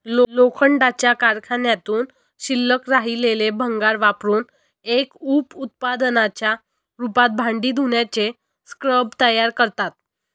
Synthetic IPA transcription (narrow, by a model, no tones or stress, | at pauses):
lolokʰəɳɖat͡ɕjakaɾkʰanjat̪uːn | ɕilːəkɾaɦilelebʱəŋɡaɾʋapɾuːn | ekuːput̪̚pad̪ənat͡ɕja | ɾupat̪̚bʱãɳɖiːd̪ʱuɳjat͡ɕe | skɾəbʱt̪əjaɾkəɾt̪at̪̚